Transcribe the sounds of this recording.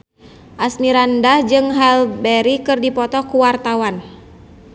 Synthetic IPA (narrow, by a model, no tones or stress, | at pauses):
ʔasmiɾandahd͡ʒɨŋɦalbɛɾikɨrdipɔt̪ɔkuwart̪awan